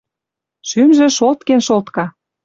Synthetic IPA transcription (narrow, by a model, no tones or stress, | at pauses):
ʃymʒĕʃolt̪kenʃolt̪kɑ